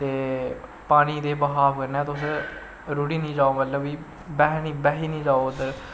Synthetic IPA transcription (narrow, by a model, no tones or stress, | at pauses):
t̪eːpaːɽ̃iːd̪eːbəɦaːbkəɾnɛ̃ːt̪ʊs̬ | ɾuːɽiːnĩːd͡ʒaːoːmət̪ləbiː | bɛːɦnĩːbɛːɦiːnĩːd͡ʒaːod̪əɾ